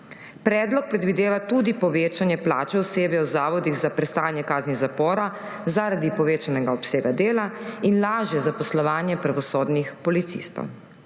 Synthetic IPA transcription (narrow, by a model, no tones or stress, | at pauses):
pɾɛːd̪lɔk̚pɾɛd̪ʋid̪eːʋat̪ud̪ipɔʋeːt͡ʃanjɛpla̰ːt͡ʃɛɔseːbjɛwzaːʋɔd̪iɣzapɾɛst̪aːnjɛkaːzniɣzapɔːɾa | zaɾad̪ipɔʋeːt͡ʃanɛɡaɔpseːɡad̪eːlainlaːʒjɛzapɔslɔʋaːnjɛpɾaʋɔsoːd̪nixpɔlit̪sḭst̪ɔ̰w